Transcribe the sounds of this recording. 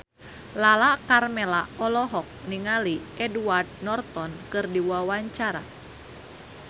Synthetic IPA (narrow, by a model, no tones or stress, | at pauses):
lalakarmɛlaɔlɔɦɔk̚niŋaliɛduard̪̚nɔrt̪ɔnkɨrdiwwawaɲt͡ʃaɾa̰